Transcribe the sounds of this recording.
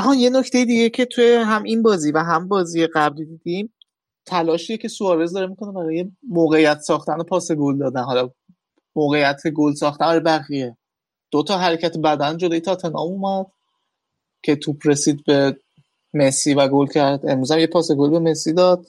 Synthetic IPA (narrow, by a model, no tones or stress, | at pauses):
æɦɒːnje̞nocʰt̪ʰe̞jid̪iːɟe̞cʰe̞t̪ʰujeɦæminbɒːziːvæɦæmbɒːziːjeɣæblid̪id̪im | t̪ʰælɒːʃiːjecʰe̞suɒːɾe̞zd̪ɒɾmikʰo̞ne̞bæɾɒːje̞moːɣe̞jæt̪ʰsɒːxt̪æno̞pʰɒːse̞ɡold̪ɒːd̪ænɦɒːlɒ | moːɣe̞jæt̪ʰeɡolsɒːxt̪ænbæɾjbæɣije | d̪̥ot̪ʰɒːɦæɾecʰæt̪ʰebæd̪ænd͡ʒolojet̪ʰɒːt̪ʰe̞nɒ̰ːmumæd̪̥ | cʰe̞t̪ʰuːpʰɾe̞siːd̪̚be̞ | me̞sivæɡolcʰæɾd̪e̞mɾuːzæmjepʰɒːse̞ɡolbe̞me̞sid̪ɒːd̪̥̚